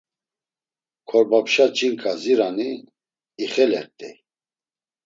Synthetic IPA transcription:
kʰɔɾbapʃat͡ʃʼiŋkʼaziɾaniː | χɛlɛ̰ɾt̪ʼɛ̰

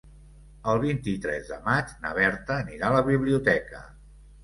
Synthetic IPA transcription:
əlˠβint̪it̪ɾɛ̰zd̪ə̰mad͡ʒnə̰β̞ɛɾt̪əniɾaləβiβliut̪ɛkə̰

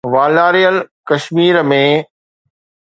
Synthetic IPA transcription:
ʋaːlaːɾijəlkɐʃmiːɾmẽ

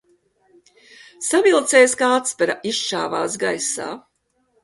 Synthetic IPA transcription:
savilˠt̪sɛjskaːt̪spɛɾaʔiʃʃa̰ːvaːsɡajsa̰ː

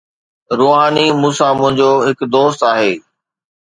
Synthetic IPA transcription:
ɾoːɦaːnimũːsamʊ̃ɦɪ̃ɲd͡ʑoɦɪkd̪oːst̪aːɦeː

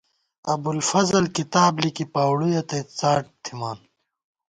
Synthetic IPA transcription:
ɐbulfɐzɐlkit̪aːblikipaːwɽujɐt̪et͡saːʈ̚t̪ʰimaːn

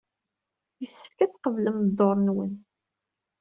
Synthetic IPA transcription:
jəsːə̥fkæt͡sqəvləmd̪ːoɾˤnwən

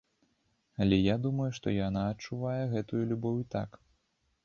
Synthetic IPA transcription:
ɐlʲɛjad̪umɐjuʂt̪ɔjanaːt̚t͡ʂuvajɛɣɛt̪ujulʲubɔwʲit̪ak

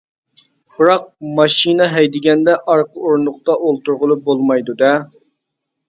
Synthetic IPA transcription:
b̥ɨɾɑq̚mɑʃinɛɦɛjd̪ɪɡʲɛnd̪ɛʔɑɾqəoɾnʊqt̪ɑʔolˠt̪uɾʁʊlˠup̚bolˠmɑjd̪ud̪ɛ

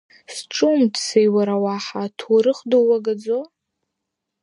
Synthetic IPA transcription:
sʈ͡ʂʼumdsejwaɾawaħatʰuɾɨχdowaɡad͡zo

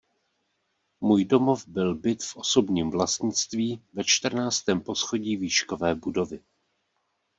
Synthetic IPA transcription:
muːjdo̞mo̞vbɪlbɪt̪fʔoso̞bɲiːmvlast̪ɲɪt͡st̪viːvɛt͡ʃt̪r̩naːt͡st̪ɛːmpo̞sxoɟiːviːʃko̞vɛːbudo̞vɪ

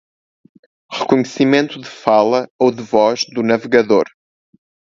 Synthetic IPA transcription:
ʁɨkuɲɨsimẽnt̪uðɨfalˠɐowðɨvɔʒðunɐvɨɣɐðoɾ

